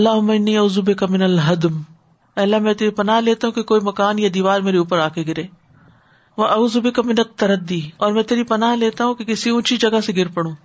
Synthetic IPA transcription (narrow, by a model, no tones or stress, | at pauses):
ɐlːaːɦʊmːaɪnːiːɐuːzubɪkamɪnɐlɦɐd̪m | ɛːlːamɛ̃t̪eːɾipɐnaːɦleːt̪aɦũkekoːimɐkaːnjad̪iːʋaːɾmeːɾeuːpəɾaːkeɡɪɾeː | ʋɐʔɐuːzubɪkamɪnɐt̪ːɐɾɐd̪ːiɔːɾmɛ̃ːt̪eːɾipɐnaːɦleːt̪aɦũkekɪsiʊ̃ːt͡ʃid͡ʒɐɡaseɡɪɾpɐɽ̃ũː